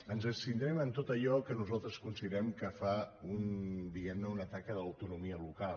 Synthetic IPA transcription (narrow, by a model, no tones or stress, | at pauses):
ənzənsint̪ɾɛmənt̪ot̪əʎɔkənuzalˠt̪ɾəskunsiðəɾɛmkəfaund̪iɣɛmnəunət̪akəðəwt̪unumiəlukal